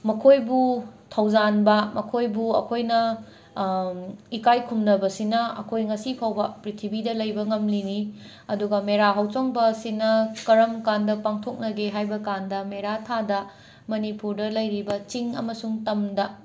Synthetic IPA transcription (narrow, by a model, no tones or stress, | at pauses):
mɐkʰojbutʰɐwd͡ʒanbɐmɐkʰojbuɐ̰kʰojnɐ | ikajkʰumdɐbɐsinɐɐ̰kʰojŋɐsipʰawbɐpɾitʰibidɐlɐjbɐŋɐmlini | ɐduɡɐmeɾaɦawt͡ʃoŋbɐsinɐkɐɾɐmkandɐpaŋtʰok̚nɐɡeɦajbɐkandɐmeɾatʰadɐ | mɐnipuɾdɐlɐjɾibɐt͡ʃiŋɐ̰mɐsuŋtɐmdɐ